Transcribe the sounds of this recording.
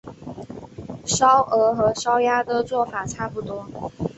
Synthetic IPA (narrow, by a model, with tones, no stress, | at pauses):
ʂɑ˥ʊʔə˧˥xɤ˧˥ʂɑ˥ʊja˥d̪ə˨t͡swɔ˥˩fa˨˩ʈ͡ʂʰa˥˩pu˨˩t̪wɔ˥